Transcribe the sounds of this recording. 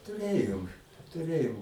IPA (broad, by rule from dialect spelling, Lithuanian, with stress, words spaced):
tʊˈrʲeːjoːm tʊˈrʲeːjoːm